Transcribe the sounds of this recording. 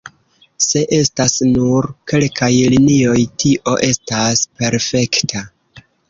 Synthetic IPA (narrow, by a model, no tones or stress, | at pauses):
se̞ʔe̞stasnuɾke̞lkajlinio̞jtʰiʔo̞ʔe̞staspe̞ɾfe̞ktʰa